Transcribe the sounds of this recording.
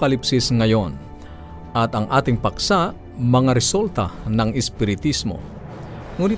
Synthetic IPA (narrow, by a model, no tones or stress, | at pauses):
kɐlipsisŋɐjon | ɐt̪ɐŋʔaːt̪ɪŋpɐksa | mɐŋaɾɛsult̪anɐŋɪspɪɾɪt̪ismo̰ | ŋuːnɪ